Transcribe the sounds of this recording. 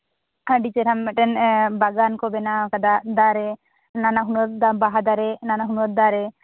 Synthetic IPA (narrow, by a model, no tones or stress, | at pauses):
ɖit͡ʃɛɾamːɛʈɛnbaɡankɔbɛnakad̪aʔd̪aɾɛ | nanaɦunɔt̪̚d̪abaɦad̪aɾɛnanaɦunɔt̪̚d̪aɾɛ